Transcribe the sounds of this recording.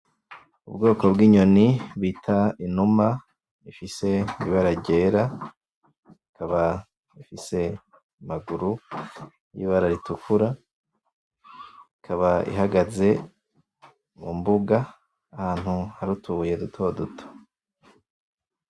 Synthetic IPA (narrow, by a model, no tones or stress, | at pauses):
ubɡo̞ːko̞bɡiːɲo̞niβiːtʰainuma | ifise̞iβaɾaɾɟe̞ːɾa | ikʰaβa | ifise̞ | maɡuɾu | jḭβaɾaɾitukʰuɾa | ikʰaβaḭɦaɡaze̞ | mṵmbuɡa | ahaːn̥huhaɾutʰuje̞dutʰo̞ːdutʰo̥